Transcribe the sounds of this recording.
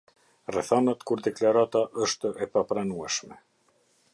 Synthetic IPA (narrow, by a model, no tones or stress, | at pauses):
rɛθanat̪kʰuɾd̪ɛklaɾat̪aʔœst̪œʔɛpapɾanuɛsmɛ̰